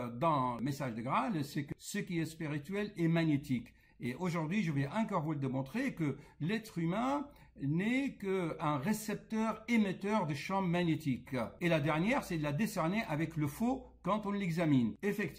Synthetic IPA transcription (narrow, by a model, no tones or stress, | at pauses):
d̪ɑ̃əmesaʒd̪əɡʁalsɛkəsəkiɛspiʁit̪ɥɛlɛmaɲjet̪ik | eʔoʒuʁd̪ɥiʒəvɛʔɛ̃kɔʁvuld̪emɔ̃t̪χekəlɛt̪χymɛ̃ | nɛkəɛ̃ʁesɛp̚t̪œʁemet̪œʁd̪əʃɑ̃maɲet̪ikelad̪ɛʁnjɛʁsɛd̪əlad̪esɛʁneʔavɛkləfo | kɑ̃t̪ɔ̃lɛɡzaminefɛkt̪